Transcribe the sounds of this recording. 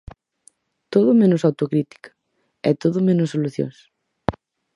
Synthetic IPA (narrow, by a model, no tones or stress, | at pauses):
t̪oðʊmẽnʊsawt̪okɾit̪i̥kḁ | ɛ̰t̪oðʊmẽnʊsːoluθjo̰ŋs